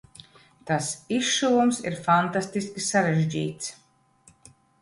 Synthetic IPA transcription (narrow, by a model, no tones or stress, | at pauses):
t̪asiʃʃulˠumsḭɾfant̪ast̪iskʲisaɾɛʒd͡ʑḭːt̪s